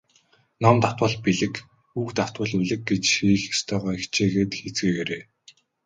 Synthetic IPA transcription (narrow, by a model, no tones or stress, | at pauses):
nɔmt̪ḁt̪wə̆ɮpiɮɘ̆k | ukt̪aw̥t̪wə̆ɮuɮɘ̆k̚ɡet͡ɕʃiːxest̪ʰœːʁœːikt͡ɕʰeːɣeːt̪xet͡sɡeːɣeɾeː